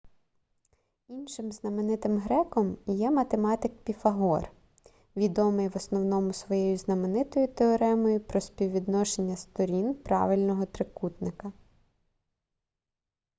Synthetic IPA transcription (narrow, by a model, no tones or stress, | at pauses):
inʃɪmznɐmenɪt̪ɪmɦɾɛkɔmjɛmɐt̪emɑt̪ɪkpʲifɐɦɔr | ʋʲid̪ɔmɪjʋɔsnɔwnɔmʊsʋɔjɛjʊznɐmenɪt̪ɔjʊt̪eɔɾɛmɔjʊpɾɔsʲpʲiwʋʲid̪nɔʃenʲːɐst̪ɔɾʲinpɾɑ̰ʋɪlʲnɔɦɔt̪ɾɪkut̪nɪkɐ